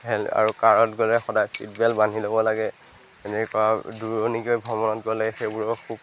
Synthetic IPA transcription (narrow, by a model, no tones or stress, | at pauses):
ɦɛla̰ɹukaɹɔtɡɔlɛxɔdajsḭtbɛlbanʱilobɔlaɡɛ | ɛnɛkuaduɹɔniɡojbʱɔmɔnɔtɡɔlɛxejbuɹɔkʰub̚